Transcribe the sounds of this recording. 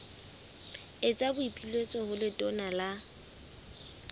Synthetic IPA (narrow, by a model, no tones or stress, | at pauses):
ɪt͡sʼabʊipʼilet͡sʼɔhʊlɪtʼɔnala